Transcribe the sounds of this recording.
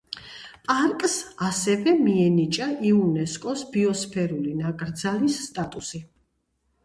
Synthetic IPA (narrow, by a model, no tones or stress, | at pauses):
pʼaɾkʼsasɛvɛmiɛnit͡ʃʼaʔiunɛskʼɔsbiɔspʰɛɾulinakʼɾd̪zalisːt̪ʼat̪ʼusi